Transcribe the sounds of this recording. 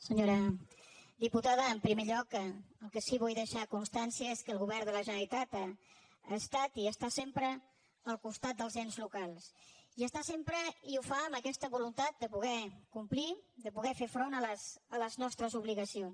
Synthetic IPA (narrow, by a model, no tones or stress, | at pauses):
səɲoɾə | d̪iput̪aðəːmpɾimeʎɔkəlˠkəsiβ̞ujðəʃakunst̪ansiəeskəlˠɣuβɛrd̪ələʒəit̪at̪a | ast̪at̪iəst̪asempɾə | əlˠkust̪at̪̚d̪əlˠzɛnzlukalˠsiəst̪asempɾəiufaəməkɛst̪əβulunt̪at̪̚d̪əpuɣɛkumplid̪əpuɣɛfefɾonələsələznɔst̪ɾəzuβliɣəsion